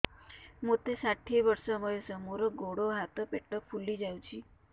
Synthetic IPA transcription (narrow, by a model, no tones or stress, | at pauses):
mot̪esaʈʰeʋəɾsɔməjesəmoɾɔɡoɽoɦat̪ɔpeʈək̚pʰulid͡ʒaw̃t͡ʃʰi